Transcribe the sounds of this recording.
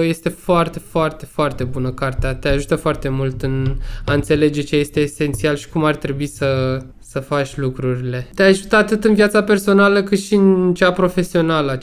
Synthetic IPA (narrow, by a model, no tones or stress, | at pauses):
je̞st̪e̞foart̪e̞foart̪e̞foart̪e̞bunəkart̪eat̪eaʒut̪əfoart̪e̞mult̪ɨnaɨnt̪se̞le̞d͡ʒe̞t͡ʃe̞je̞st̪e̞ːse̞nt̪sialʃi̥kumart̪ɾe̞buisə | səfat͡ʃʲlukɾuɾile̞t̪eaʒut̪əat̪ɨt̪ɨnviat̪sape̞rso̞naləkɨt̪ʃiɨnt͡ʃapɾo̞fe̞sio̞nalə